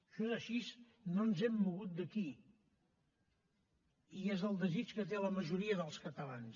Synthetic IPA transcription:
ʃɔzəʃis | nonzɛmːuɣ̞ut̪̚d̪əki | iezəlˠd̪əzit͡ʃkət̪eləməʒuɾiəðəlˠskət̪əlans

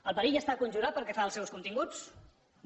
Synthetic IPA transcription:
əlˠpəɾiʒəst̪akunʲʒuɾat̪̚pəɾkɛfaəlˠsɛwskunt̪iŋɡut͡s

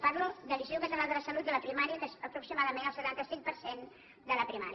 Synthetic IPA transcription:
parlud̪əlizewkət̪əɾalˠd̪ələsəlut̪̚d̪ələpɾimaɾiəkəsəpɾuksimaðəmẽnəlˠsət̪ant̪əsiŋ̚pəɾsen | d̪ələpɾimaɾ

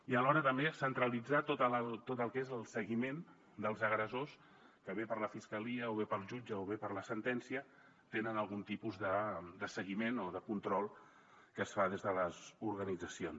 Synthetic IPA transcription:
iəlɔɾət̪əmbesənt̪ɾəlid͡zat̪ot̪əlt̪ot̪əlˠkezəlˠsəɣimen | d̪əlˠzəɣɾəzos | kəβepəɾləfiskəliəoβepəlˠʒud͡ʒəoβepəɾləsənt̪ɛnsiə | t̪enənəlˠɣunt̪ipuzðəd̪əsəɣimenoðəkunt̪ɾɔlˠ | kəsfaðezðələzuɾɣənid͡zəsion

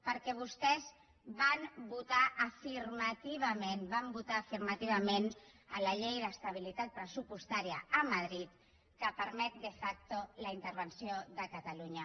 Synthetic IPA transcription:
pəɾkɛβ̞ust̪ɛz | βambut̪aʔːfirmət̪iβ̞əmenbambut̪aːfiɾmət̪iβ̞əmenələʎejðəst̪aβ̞ilit̪at̪̚pɾəsupust̪aɾiə̰ːməðɾit̪ | kəpəɾmɛt̪̚d̪əfak̚t̪oləint̪əɾβənsioðəkət̪əluɲə

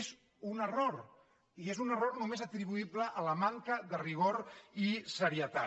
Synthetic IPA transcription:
z | unəroɾ | iezunəroɾnumezat̪ɾiβuibləʔːləmaŋkəðəriɣ̞oɾisəɾiət̪a

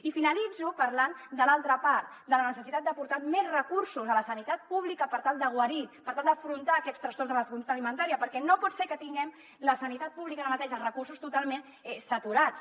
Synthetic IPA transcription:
ifinəlid͡zupəɾland̪əlalˠt̪ɾəpaɾt̪̚ | d̪ələnəsəsit̪at̪̚d̪əpuɾt̪amɛzrəkuɾsuzələsənit̪at̪̚puβlikəpəɾt̪alˠd̪əɣ̞wəɾipəɾt̪alˠd̪əfɾunt̪aːkɛtst̪ɾənst̪ɔrzðələkunt̪ut̪əlimənt̪aɾiəpəɾkɛnopɔt̪sɛɾkət̪iŋɡɛm | ləsənit̪at̪̚puβlikələmət̪eʒərəkursust̪ut̪alˠmen | ɛsət̪uɾat͡s

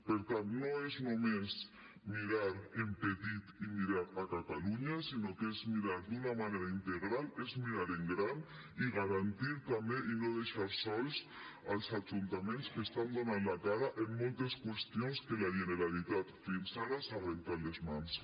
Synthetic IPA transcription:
peɾt̪annoeznomes | miɾaɾempet̪it̪imiɾaɾakat̪aluɲasinokezmiɾaɾd̪unamaneɾaint̪eɣɾalezmiɾaɾeŋɡɾan | iɣaɾant̪iɾt̪ambeʔinoðeʃaɾsɔls | alsad͡ʒunt̪amẽnskest̪and̪onanlakaɾaʔemːolt̪eskwest̪jonskelaʒeneɾalit̪at̪finsaɾasarent̪aɾlezmans

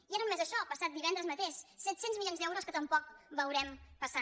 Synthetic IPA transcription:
iaɾumɛzəʃɔpəsat̪̚d̪iβɛnd̪ɾəzmət̪eʃsɛt̪senzmiljonzd̪ɛwɾoskət̪əmpɔk̚bəwɾɛmpəsa

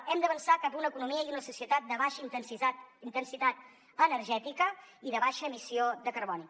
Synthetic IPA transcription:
ɛmd̪əβənsakapunəkunumiəiunəsusiət̪at̪̚d̪əβaʃit̪nat̪int̪ənsit̪at̪̚ | ənərʒɛt̪ikəiðəβaʃəːmisiod̪əkəɾβɔni

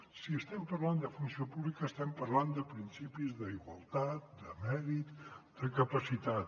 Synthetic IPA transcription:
siəst̪ɛmpərland̪əfunsiopuβlikəːst̪ɛmpərland̪əpɾinsipizðəiɣwəlˠt̪at̪̚d̪əmɛɾit̪d̪̥əkəpəsit̪at̪

